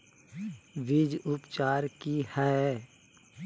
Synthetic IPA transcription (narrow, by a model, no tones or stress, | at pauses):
ʋɪd͡ʒʊpt͡ʃaːɾkihɛ